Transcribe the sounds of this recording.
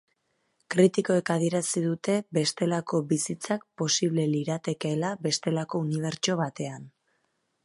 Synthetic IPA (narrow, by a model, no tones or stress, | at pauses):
kɾit̪iko̞ekað̞ie̞ɾasiðut̪e̞be̞st̪e̞lako̞bisit͡sak̚po̞siβ̞le̞liɾat̪e̞keːlaβe̞st̪e̞lako̞uniβ̞e̞ɾt͡ʃo̞β̞at̪e̞an